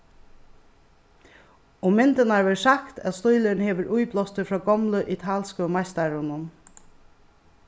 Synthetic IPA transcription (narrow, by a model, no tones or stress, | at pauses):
ʊmɪnt̪ənaɹʋɛːsakt̪ʰæ̰t̪st̪ʊjlənheːʋəɹʔujplɔst̪əfɹɔːɡɔmləʔit̪ʰaːlskəmajst̪aɹʊnʊm